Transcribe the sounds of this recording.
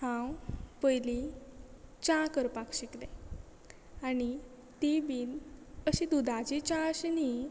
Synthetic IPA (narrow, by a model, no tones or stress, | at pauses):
hãwpəjli | t͡ɕãkəɾpakɕikle | ani | t̪ibiːnəɕĩd̪ud̪ʱat͡ɕit͡ɕãəɕni